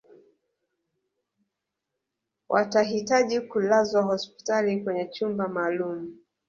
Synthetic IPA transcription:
wʔa̰taɦitaʄikulazwaɦɔspi̥talikwɛɲɛt͡ʃumbamaːlumu

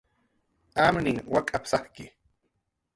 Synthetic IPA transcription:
amnɪŋwakʼapsahkɪ

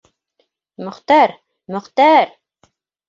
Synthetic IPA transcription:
mɵ̆χt̪æɾ | mɵ̆χt̪æɾ

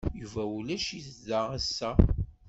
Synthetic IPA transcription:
juvæulæʃisðaæsːæ

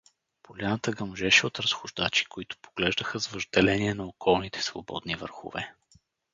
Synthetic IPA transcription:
polʲanət̪əɡɐmʒɛʃɛot̪ɾɐsxʊʒd̪at͡ʃi̥koit̪ʊ̥poɡ̥lɛʒd̪əxəzvəʒd̪ɛlɛniɛnɐokʰɔlˠnit̪ʰɛ̥svo̰bɔ̰d̪nivə̰ɾxʊ̰vɛ

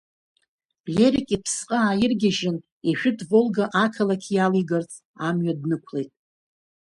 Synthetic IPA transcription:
lʲeɾikʲʼipʰsqʼəaːjɪrɡʲɪʒɪn | iʃᶣɪdʼvolɡaʔakʰalakʲʰijaliɡart͡sʼ | amɥadnɨkʷʰle̞jtʼ

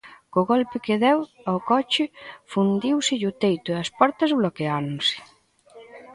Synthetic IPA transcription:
kʊɣɔlpɪkeðɛwawkɔt͡ʃɪfund̪iwsɪʎʊt̪ejt̪ʊɐspɔɾt̪ɐzβlokeanʊsɪ̥

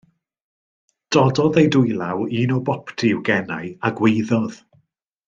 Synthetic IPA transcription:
d̥ɔdɔðejdʊjlˠawiːnɔbɔpʰtʰiwɡɛnajaɡwejðɔð̥

